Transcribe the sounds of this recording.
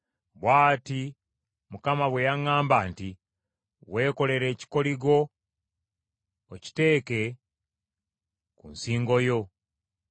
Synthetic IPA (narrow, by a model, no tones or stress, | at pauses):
βwaːti | mukamaβwe̞jaŋːaːmbaːnti | we̞ːko̞le̞ɾe̞ːci̥ko̞liɡo̞ | oci̥te̞ːke̞ | kṵnsiːŋɡo̞jo̞